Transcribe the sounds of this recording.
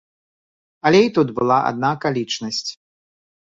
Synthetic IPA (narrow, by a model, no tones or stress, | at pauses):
ɐlʲɛjt̪ud̪bɨlˠaʔa̰d̪̚nakalʲit͡ʂnɐsʲt͡sʲ